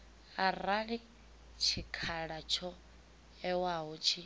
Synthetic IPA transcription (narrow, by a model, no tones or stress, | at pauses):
araɺi | t͡ʃʰikʰaɺat͡ʃʰɔ | ɛwaɦɔt͡ʃʰi